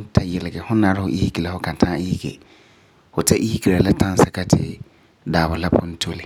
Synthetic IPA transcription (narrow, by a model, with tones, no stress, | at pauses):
tʰa˦jɛ˨lɪ˨ɡɛ˨hʊ̃˦nːã˨˦ɾɪ˦hʊ˨ʔi˦hi˦ki˨la˨hʊ˦kʰã˨ntʰãː˦i˦hi˦ɡḛ˨ | hʊ˨tʰɛ˦ʔi˦hi˦ki˨la˨la˦tʰã˦n˦sa˦kʰa˦tʰɪ̰˨ | daː˨bʊ˨la˦pʰʊ̃˦n̩˦tʰo˦li˨